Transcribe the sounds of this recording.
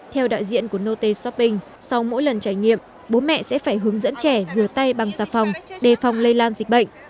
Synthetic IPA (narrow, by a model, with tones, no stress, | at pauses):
t̪ʰɛ˧wɗa̰ː˧˨jzḭ˧˨ənku˧˩əno˧t̪e˧sɔ˦˥p̚ːï˧ŋ̟ | sa˧wmo̰˧˥jlə˨˩nt͡ɕaː˧˩jŋḭ˧˨əm | ɓo˨˦mɛ̰˧˨sɛ̰˧˥faː˧˩jɦɨ˨˦əŋzə̰˧˥nt͡ɕɛ˧˩zɨ˨˩ət̪a˧jɓa˨˩ŋzaː˧˩fa˨˩wŋ͡mɗe˨˩fa˨˩wŋ͡mlə˧jlaː˧nzï˨˩k̟̚ɓə̰˧˨ŋ̟